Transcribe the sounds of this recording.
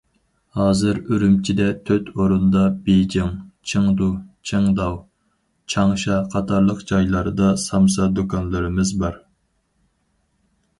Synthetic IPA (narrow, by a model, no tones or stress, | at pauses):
hɑːzɨɾyɾymt͡ʃʰid̪ɛt̪ʰøt̪ʰoɾund̪ɑbed͡ʒɪŋt͡ʃʰɨŋd̪ut͡ʃʰɨŋd̪ɑw | t͡ʃʰɑŋʃɑqʰɑt̪ʰɑɾlˠəqd͡ʒɑjlˠɑɾɨd̪ɑsɑmsɑd̪ukʰɑnlˠɨɾɨmɨzbɑɾ